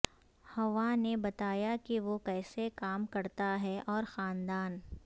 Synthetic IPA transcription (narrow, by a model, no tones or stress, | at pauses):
hɐʋanebɐt̪aːjakiʋokɛːsekaːmkɐɾt̪aɦɛʔɔːɾxaːnd̪aːn